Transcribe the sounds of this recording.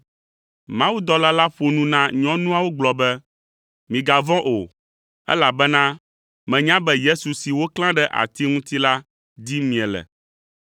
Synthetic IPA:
mã˦wu˦d̪ɔ˦la˦la˦ɸo˨nũ˦nã˦ɲɔ̃˦nũ˦a˨wo˦ɡ͡blɔ˨bɛ˦ | mĩ˨ɡa˨vɔ̃˦ʔo˨ | ɛ̰˦la˨bɛ˦nã˦ | mɛ̃˨ɲã˦bɛ˦je˦su˨si˨wo˦klã˦ɖɛ˦ʔa̰˨t̪i˦ŋũ˦t̪i˦la˦ | d̪i˦mĩ˨ɛ˨lɛ̰˨

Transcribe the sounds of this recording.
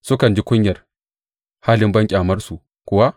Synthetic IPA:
sʊ˦kɐ˨nd͡ʒi˦kʷʊ˦ɲjɐ˨r | haː˦lɪ˦mbɐ˦ŋkʲʼaː˨mɐ˦rsu˨ | kʷʊ˦wa˦

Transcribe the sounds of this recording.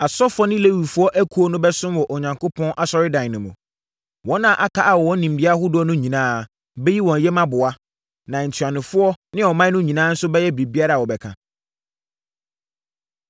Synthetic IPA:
a˨sɔ˦fɔ˦nɪ̃˦le˦wu˨fʊ˦ɔ˦ʔæ˦kʰu˦o˦nʊ̃˦bɛ˦sʊ̃˦m˦wɔ˨ʔo˨ɲã˨ŋkʰo˦pʰɔ̃˦nʔa˨sɔ˦ɾɪ˦dã˨n˨nʊ̃˨mṵ̃˨ | wɔ̃˦nːã˨ʔa˦kʰa˦ʔa˨wɔ˨wɔ̃˦n˦nĩ˨m˨dɪ˦a˦hʊ˦dʊ˦ɔ˦nʊ̃˦ɲĩ˨nãː˦˨ | bɛ˦ji˦wɔ̃˨n˨jɛ˦mã˦bʊ˨a˦ | nã˨n̩˨tʰɥa˨nʊ̃˨fʊ˦ɔ˦nɪ̃˦ɔ˨mã˦nʊ̃˦ɲĩ˨nãː˦n̩˦sʊ˦bɛ˦jɛ˦bɾi˨bi˦a˦ɾa˨wɔ˨bɛ˨kʰã̰˨

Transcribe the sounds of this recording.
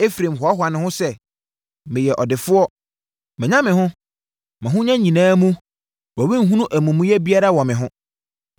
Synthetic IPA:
e˦fɾẽ˨mɦɔ˨a˦ɦʊ˨a˨nɪ̃˨hʊ̃˦sɛ˦ | mɪ̃˨jɛ˨ʔɔ˨dɪ˨fʊ˦ɔ˦ | mɛ̃˨ɲã˦mɪ̃˨ɦʊ̃˦ | mã˨ɦʊ̃˦ɲã˦ɲĩ˨nãː˨˦mũ˦ | wɔ˨wi˦ŋ̩˦ɦũ˦nũ˦ʔæ˨mũ˨mũ˦jɛ˦bi˦a˦ɾa˦wɔ̃˨mɪ̃˨ɦʊ̃˦

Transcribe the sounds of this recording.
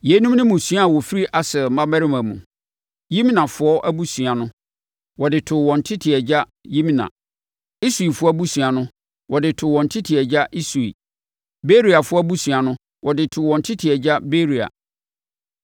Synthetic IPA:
je˨˦nũ˦mnɪ̃˦mũ˨su˦a˦˨wɔ˨fi˦ɾi˦ʔa˨sɛ˨mã˦mæ˦ɾɪ˦mã˨mṵ̃˨ | ji˦m˦nã˨fʊ˦ɔ˦ʔæ˦bu˦su˨a˨nʊ̃˦ | wɔ˨dɪ˨tʰʊ˨wɔ̃˨n̩˨tʰɪ˦tʰɪ˨ɛ˨d͡ʑa˦ | ji˦m˦nã̰˨ | i˦su˨i˨fʊ˦ɔ˦bu˦su˨a˨nʊ̃˦ | wʔɔ˨dɪ˨tʰʊ˨wɔ̃˨n̩˨tʰɪ˦tʰɪ˨ɛ˨d͡ʑa˦ʔi˦su˨ḭ˨ | be˦ɾi˨a˨fʊ˦ɔ˦bu˦su˨a˨nʊ̃˦ | wʔɔ˨dɪ˨tʰʊ˨wɔ̃˨n̩˨tʰɪ˦tʰɪ˨ɛ˨d͡ʑa˦be˦ɾi˨a̰˨

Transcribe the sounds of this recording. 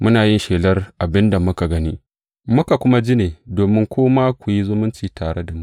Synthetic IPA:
mʊ˦naː˨jɪ˦nʃeː˨lɐ˦rʔa˨bɪ˦nda˨mʊ˦ka˨ɡɐ˦niː˦ | mʊ˦ka˨kʷʊ˦ma˦d͡ʒi˦neː˨doː˨mɪ˦ŋkʷʰoː˦maː˦kʷu˨ji˦zʊ˦mʊ˦nt͡ʃiː˨taː˨ɽe˦da˨mʊ˦ʔ

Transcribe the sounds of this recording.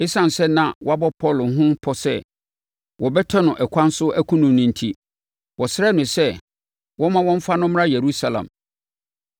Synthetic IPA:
ɪ˦sã˨n˨sɛ˦nã˨wɔ˦a˦bɔ˦pʰɔ˦˨lɦʊ̃˦pʰɔ˦sɛ̰˦˨ | wɔ˨bɛ˦tʰɔ˦nʊ̃˨ʔɛ˨kʷʰã˦n˦sʊ˦ʔæ˦kʰũ˦nʊ̃˨mnʊ̃˨n̩˨tʰi˦ | wɔ˨sɪ˦ɾɛ˦˨nʊ̃˨sɛ˦ | wɔ̃˦mã˦wɔ̃˦ɱ̩˦fa˦nʊ̃˦m˦a˦je˨ɾu˦sa˨lã̰˨m

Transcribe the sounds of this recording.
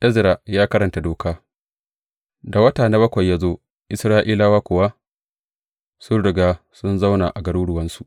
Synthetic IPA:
ʔɛ˦zɾa˨jaː˦kɐ˦ɾɐ˨nta˨doː˨kaː˦ | da˨wɐ˦taː˨na˦bɐ˦kʷɐ˨jːaː˦zoː˦ | ʔɪ˨sɾaː˦ʔiː˦laː˦waː˦kʷʊ˨wa˦ | sʊ˦ɽʊ˨ɡaː˦ | sʊ˦nza˦wna˨ʔa˨ɡɐ˨ɽuː˦ɽʊ˨wɐ˦nsu˨ʔ

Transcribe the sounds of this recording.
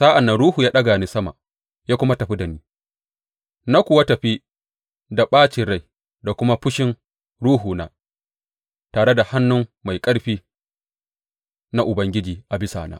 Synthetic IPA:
sa˦ʔa˨nːɐ˨nɽuː˦huː˨jaː˦ɗɐ˦ɡaː˨ni˦sɐ˦ma̰˨ | jaː˦kʷʊ˦ma˦tɐ˨ɸi˦dɐ˨niː˦ | na˦kʷʊ˨wa˦tɐ˨ɸi˦ | da˨ɓaː˦t͡ʃɪ˨ɽa˦j | da˨kʷʊ˦ma˦ɸʊ˦ʃɪ˦n | ɽuː˦ɦuː˨na̰ː˦ | taː˨ɽe˦da˨ha˦nːʊ˦ŋma˨jkʼɐ˦ɽɸiː˦ | na˦ʔʊ˨bɐ˦ŋɡʲɪ˦d͡ʒiː˨ʔa˨bɪ˦sa̰ː˨na̰ː˦

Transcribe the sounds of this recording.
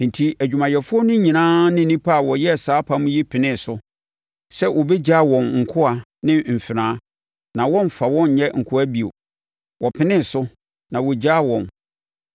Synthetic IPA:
n̩˨tʰi˦æ˨d͡ʑᶣu˨mã˨jɛ˨fʊ˦ɔ˦nʊ̃˦ɲĩ˨nãː˦nɪ̃˦˨nĩ˦pʰa˦a˨wɔ˨jɛ˦˨saː˦pʰa˦mũ˦jɛ˦pʰɪ˨nɪ̃˦˨sʊ˦ | sɛ˦wɔ˨bɛ˦d͡ʑa˦˨wɔ̃˨nŋ̩˨kʰʊ˦a˨nɪ̃˦m̩˨fɪ˨ɾãː˦ | nã˨wɔ̃˦m˨fa˨wɔ̃˦n˨jɛ˦ŋ̩˨kʰʊ˦æ˦bi˨o̰˨ | wɔ˨pʰɪ˦nɪ̃˦˨sʊ˦ | nã˨wɔ˨d͡ʑa˦˨wɔ̃˨n

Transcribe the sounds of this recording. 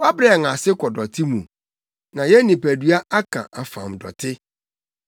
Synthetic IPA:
wa˦bɾŋã˨sɪ˦kʰɔ˨dɔ˨tʰɪ˦mũ˨ | nã˨jɛ˦nĩ˨pæ˨dɥa˦ʔa˦kʰã̰˨ʔa˨fã̰˨m˨dɔ̰˨tʰɪ˦

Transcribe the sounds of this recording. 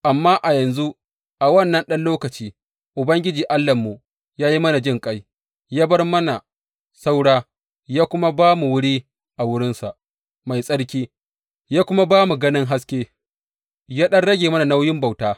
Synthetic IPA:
ʔa˨mːaː˦ʔa˨jɐ˨nzu˦ʔ | ʔa˨wɐ˦˨nːɐ˦nɗɐ˦nloː˦kɐ˨t͡ʃiː˦ | ʔʊ˨bɐ˦ŋɡʲɪ˦d͡ʒiː˨ʔa˦lːɐ˨mːu˨ | jaː˦ji˦mɐ˦na˨d͡ʒɪ˦ŋkʼa˦j | jaː˦bɐ˦rmɐ˦na˨ | sa˦wɽaː˦ | jaː˦kʷʊ˦ma˦baː˦mu˨wʊ˦ɽiː˦ | ʔa˨wʊ˦ɽɪ˦nsa˨ʔ | ma˨jsʼɐ˦ɽkʲiː˦ | jaː˦kʷʊ˦ma˦baː˦mu˨ɡɐ˦nɪ˦ŋɦa˦skʲeː˦ | jaː˦ɗɐ˦nɽɐ˦ɡʲeː˨mɐ˦na˨na˦wjɪ˦mba˨wtaː˦

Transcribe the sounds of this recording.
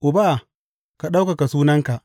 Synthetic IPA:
ʔʊ˨ba˦˨ | ka˨ɗa˦wka˨ka˨suː˦nɐ˦ŋka˨ʔ

